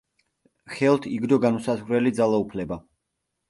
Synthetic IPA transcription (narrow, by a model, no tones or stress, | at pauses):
χɛlˠt̪ʰiɡd̪ɔɡanusazʁɾɛlid̪zalˠaupʰlɛba